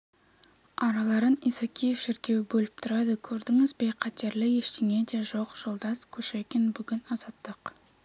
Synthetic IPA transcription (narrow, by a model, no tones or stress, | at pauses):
ɑɾɑlˠɑɾənisɑkʲʰijefʃɪɾkʲe̞wbɵlɪp̚t̪ʰʊɾɑd̪əkʲʰɵɾd̪ɪŋɪzbejqʰɑt̪ːeɾlɪjeʃt̪eŋe̞d̪e̞ʒo̞qʒ̥o̞lˠd̪ɑskʲʰɵʃekʲenbʏɡʲɪnɑz̥ɑt̪ːəq